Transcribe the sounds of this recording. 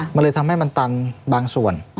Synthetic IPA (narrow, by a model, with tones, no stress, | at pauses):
ma˧nlɤː˧jt̪ʰa˧mha˥˩jma˧nt̪a˧nbaː˧ŋsu˨˩ən